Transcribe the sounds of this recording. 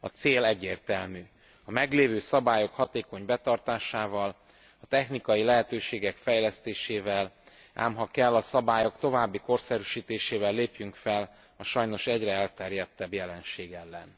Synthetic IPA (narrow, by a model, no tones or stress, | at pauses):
ɒt̪seːlɛɟːeːrt̪ɛlmyː | ɒmɛɡleːvøːsɒbaːjo̞khɒt̪eːko̞ɲbɛt̪ɒrt̪aːʃaːvɒl | ɒt̪ɛxnikɒjilɛɦɛt̪øːʃeːɡɛkfɛjlɛst̪eːʃeːvɛl | a̰ːmɦɒkɛlːɒsɒbaːjo̞kt̪o̞vaːbːiko̞rsɛɾyʃiːt̪eːʃeːvɛlːeːpjyŋkfɛl | ɒʃɒjno̞ʃɛɟrɛɛlt̪ɛrjɛt̪ːɛbjɛlɛnʃeːɡɛlːɛ̰n